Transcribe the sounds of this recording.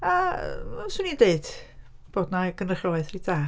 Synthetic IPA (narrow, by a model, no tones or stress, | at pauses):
a | swɨnideɨd̥b̥oːdnaɡənəχɔlˠaθriːdaː